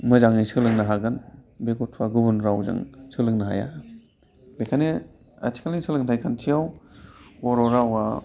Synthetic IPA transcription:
mɯzaŋisɯlɯŋnaɦaɡɯnbeɡɔtʰuwaɡubunɾawza̰ŋsʰɯlɯŋnaɦa̰ja̰ | bekʰane | a̰tʰi̥kʰalisʰɯlɯŋtʰajkʰantʰijaw | ɔɾɔɾawa

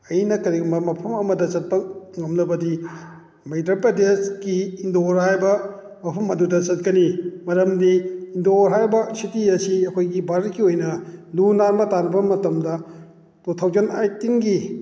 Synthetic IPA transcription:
ɐjnɐkɐɾiɡmbɐmɐpʰɐmɐmɐdɐt͡ʃɐt̚pɐŋɐmlɐbɐdi | mejtapɾɐdeskiːndoɾɦajbɐ | mɐpʰɐmɐdudɐt͡ʃɐt̚kɐnimɐɾɐmdiːndoɾɦajbɐsitiɐsiɐkʰojɡibaɾkːiojnɐlunanbɐtanɐbɐmɐtɐmdɐ | totʰawd͡ʒɐna̰jtiŋɡi

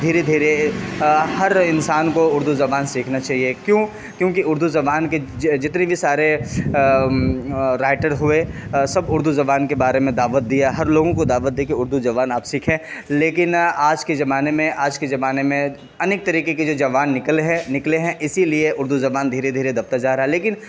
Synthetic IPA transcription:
d̪ʱiːɾed̪ʱiːɾe | ɦɐɾɪnsaːnkoʊɾd̪uzɐbaːnsiːkʰnat͡ʃaːɦiekjõː | kjõːkiʊɾd̪ʱuzɐbaːnked͡ʒɪt̪nebʱisaːɾe | ɾaːɪʈəɾɦʊesɐbʊɾd̪uzɐbaːnkebaːɾemẽd̪aːʋət̪̚d̪ijaɦɐɾloːɡõkod̪aːʋət̪̚d̪eːkeʊɾd̪ʱud͡ʒɐʋaːnaːpsiːkʰẽleːkɪnaːd͡ʒkezɐbaːnemẽʔaːd͡ʒkezɐbaːnemẽ | ɐneːk̚t̪ɐɾiːkeked͡ʒoːd͡ʒɐʋaːnːɪklɦɛ̃nɪkleɦɛ̃ʔɪsilieʔʊɾd̪uzɐbaːnd̪ʱiːɾed̪ʱiːɾed̪ɐb̚t̪ad͡ʒaːɾaɦɛleːkɪn

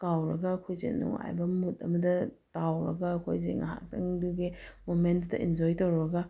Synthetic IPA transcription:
kawɾɐɡɐːkʰojzḛnṵŋa̰jbɐmutɐ̰mɐdɐ | tawɾɐ̰ɡɐːkʰo̰jzḛŋɐ̰ɦa̰k̚tʰɐŋduɡimomentdɐ̰ʔind͡ʒojtɐwɾɐɡɐ

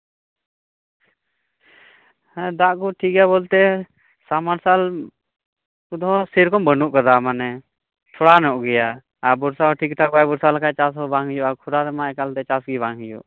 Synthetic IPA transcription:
hɛ̃d̪aʔkɔʈʰik̚ɡɛjabɔlt̪ɛ | samaɾsal | ud̪ɔɦɔ̃siɾkɔmbənuʔkad̪amanɛ | t̪ʰɔɽanɔʔɡɛjaː | bɔɾsaɔʈʰik̚ʈ̪ʰabajbɔɾsalakʰajt͡ʃasɦɔbaŋijɔʔakʰuɾaɾɛmaɛkalt̪ɛt͡ʃasɡibaŋɦijṵʔ

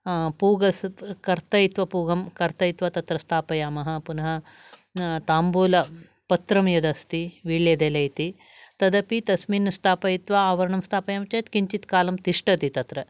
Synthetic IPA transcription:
puːɡɐskɐɾt̪ɐjit̪ʋɐpuːɡɐmkɐɾt̪ɐjit̪ʋɐt̪ɐt̪ɾɐst̪ʰaːpɐjaːmɐɦɐ̆punɐɦɐ̆ | t̪aːmbuːlɐ | pɐt̪ɾɐmjɐd̪ɐst̪iʋiːɭjɐd̪eːlɐjt̪i | t̪ɐd̪ɐpit̪ɐsminɐst̪ʰaːpɐjit̪ʋɐaːʋɐɾɐɳɐmst̪ʰaːpɐjaːmɐt͡ʃɐjt̪kiɲt͡ʃit̪kaːlɐmt̪iʂʈɐt̪it̪ɐt̪ɾɐ

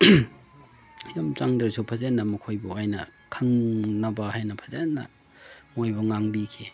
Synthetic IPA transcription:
jamt͡ʃaŋdɐɾsʰupʰazenːɐmɐkʰojboajnɐ̰ | kʰɐŋnɐbahajnɐpʰazenːɐ̰ | mojbɐŋaŋbikʰi

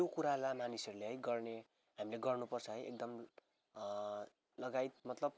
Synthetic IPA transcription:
okuɾalamanisʌruleɦʌjɡʌrne | ɦamileɡʌrnupʌrt͡sʰʌɦʌjḛk̚d̪ʌm | lʌɡajt̪̚mʌt̪lʌb̚

